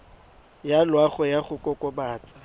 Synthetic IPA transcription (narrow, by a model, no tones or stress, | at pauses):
jalwaɣɔjaχʊkʼɔkʼɔbaːt͡sʼḁ